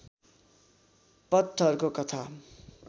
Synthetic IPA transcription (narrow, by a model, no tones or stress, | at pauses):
pʌt̪ʰːʌʌɾukokʌt̪ʰa